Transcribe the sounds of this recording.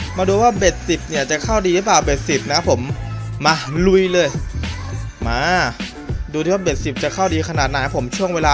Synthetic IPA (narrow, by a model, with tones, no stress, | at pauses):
maː˧duː˧waː˥˩be˨˩t̪̚si˨˩p̚ni˥˩ɐt͡ɕa˨˩kʰa˥˩wdiː˧lɯ˦˥plaː˨˩wbe˨˩t̪̚si˨˩p̚na˦˥pʰo˩˦mːaː˧lu˧˥jlɤː˧j | maː˧ | duː˧t̪ʰiː˥˩wa˥˩be˨˩t̪̚si˨˩p̚t͡ɕa˨˩kʰa˥˩wdiː˧kʰa˧naː˨˩t̪̚na˨˦˥pʰo˩˦mt͡ɕʰu˥˩əŋweː˧laː˧